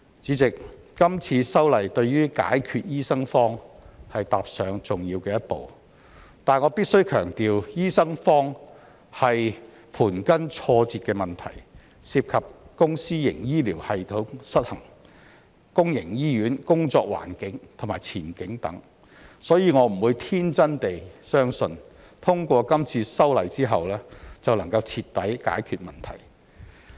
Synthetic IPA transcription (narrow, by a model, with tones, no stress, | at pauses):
t͡siː˨˥t͡sɪ˨k̚ | kɐ˥mt͡sʰiː˧sɐ˥wlɐ˨jt̪ɵ˧ɥɥyː˥ka̰ː˨˥jkʰyː˧t̚jiː˥sɐ˥ŋfɔː˥ŋhɐ˨jt̪aː˨p̚sœː˨˧ŋt͡sʊ˨ŋjiː˧wkɛː˧jɐ˥t̚po̰˨w | t̪aː˨nŋɔː˨˧piː˥t̚sɵ˥ɥkʰœ̰ː˨˩ŋt̪iː˨wjiː˥sɐ˥ŋfɔː˥ŋ | hɐ˨j | pʰuː˨˩nkɐ˥nt͡ʃʰɔː˧t͡siː˨t̚kɛː˧mɐ˨˩nt̪ʰɐ̰˨˩j | siː˧p̚kʰɐ˨p̚kʊ˥ŋsiː˥jɪ̰˨˩ŋjiː˥liː˨˩whɐ˨jt̪ʰo˨˥wsɐ˥t̚hɐ˨˩ŋ | kʊ˥ŋjɪ˨˩ŋjiː˥jyː˨˥nkʊ˥ŋt͡sɔː˧k̚wa̰ː˨˩nkɪ˨˥ŋt̪ʰʊ˨˩maː˨jt͡sʰiː˨˩nkɪ˨˥ŋt̪ɐ̰˨˥ŋ | sɔː˨˥jiː˨˧ŋɔː˨˧m̩˨˩wuː˨˧jt̪ʰiː˥nt͡sɐ˥nt̪e˨jsœː˥ŋsɵ˧n | t̪ʰʊ˥ŋkʷɔː˧kɐ˥mt͡sʰiː˧sɐ˥wlɐ˨˩jt͡siː˥ɦɐ˨wlɛː˥t͡sɐ˨wlɐ˨˩ŋkɐ˧wt͡sʰiː˧t̪ːɐ˨˥jka̰ː˨˥jkʰyː˨t̚mɐ˨˩nt̪ʰɐ̰˨˩j